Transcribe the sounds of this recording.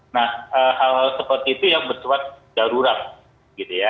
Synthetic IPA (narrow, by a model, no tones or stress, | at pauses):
nahʔəːhalɦalsəpərt̪iːt̪ujaŋbərsuwat̪̚d͡ʒ̥aɾuɾaŋ̚ | ɡ̥it̪uja